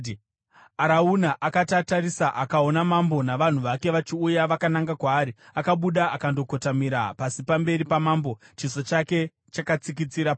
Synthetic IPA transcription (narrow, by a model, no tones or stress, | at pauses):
aɾaunaʔakatatarisaʔakao̞namambo̞naʋan̤uʋake̞ʋat͡ʃiujaʋakanaŋɡakwaːɾiakaɓuɗaakando̞ko̞tamiɾapasipambe̞ɾipamaːmbo̞t͡ʃiso̞t͡ʃake̞ | t͡ʃakat͡sikit͡siɾap